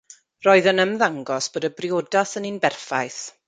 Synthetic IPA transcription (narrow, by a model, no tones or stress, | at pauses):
roːɨðənəmðaŋɡɔsb̥oːdəbrɪodaθəninbɛrfajθ